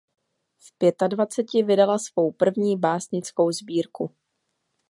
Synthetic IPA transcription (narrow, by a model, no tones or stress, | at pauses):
fpjɛt̪advat͡sɛcɪvɪdalasvo̞wpr̩vɲiːbaːsɲɪt͡sko̞wzbiːɾku